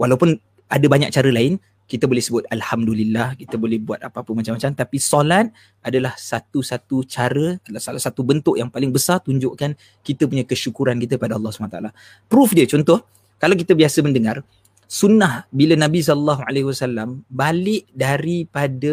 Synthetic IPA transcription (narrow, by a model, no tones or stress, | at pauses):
walawpʊn | adabaɲa̰k̚t͡ʃaɾəlaɪn | kit̪əbolɛhsəbʊt̪̚alhamdulilːahkit̪əbolɛhbua̰t̪apaapəmat͡ʃamːat͡ʃamt̪apisolat̪̚ | ʔadalahsat̪usat̪ut͡ʃaɾəadalahsalasat̪ubənt̪ʊʔjaŋpalɪŋbəsart̪uɲd͡ʒʊʔkan | kit̪əpuɲakəʃukuɾankit̪̬əkəpadaɑlˠˤːɑsəbanat̪aʔala | pɾufdiət͡ʃɔnt̪ɔh | kalawkit̪əbiasəməndəŋar | sunːahbilənabis̬ɔllːaɦua̰leɦwasalːambalɪʔdaɾipadə